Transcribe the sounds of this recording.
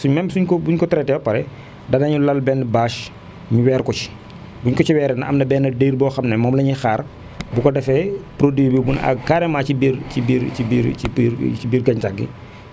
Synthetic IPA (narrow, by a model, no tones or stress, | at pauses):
suɲmɛmbsuɲkɔbuɲkɔtɛɾɛtɛwpɐɾɛ | dɐnɐɲulɐlbɛːnːbaːʃ | miwɛːɾkɔt͡ʃi̥ | buɲkɔt͡ʃiwɛːɾɛnɐɐmnɐbɛːnːɐdeɾbɔːxɐmnɐmɔːmlɐɲixaːr | bukɔdɛfɛpɾodwibibuna̰kaːɾɛmaːt͡ʃibiɾcibiɾibiɾiiɾt͡ʃibiːɾɡɐɲt͡ʃaɡːḭ